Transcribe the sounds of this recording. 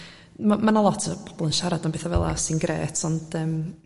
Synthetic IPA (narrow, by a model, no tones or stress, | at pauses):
mamanalˠɔtʰb̥ɔb̥ɔlˠənʃaɾad̥ɔnbeθavɛlˠa̰sinɡɾḛːtʰɔnd̥əːm